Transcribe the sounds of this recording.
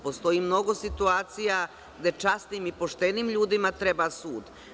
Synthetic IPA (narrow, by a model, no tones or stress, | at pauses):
post̪o̞iːmno̞ɡo̞sit̪uaːt̪sija | ɡd̪e̞t͡ʂast̪nimipo̞ʃt̪eniːmʎuːd̪imat̪ɾebasuːd̪